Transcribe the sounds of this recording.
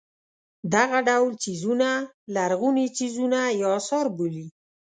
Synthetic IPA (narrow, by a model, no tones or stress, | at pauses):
d̪aɣaɖawlt͡ʃizuna | laɾɣunit͡ʃizunajɑsɑɾbuli